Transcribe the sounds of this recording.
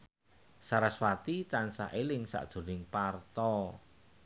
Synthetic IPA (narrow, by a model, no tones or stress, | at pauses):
saɾaswat̪it̪ansa̰ʔelɪŋsa̰ʔd̥ʒ̥ṳnɪŋpart̪ɔ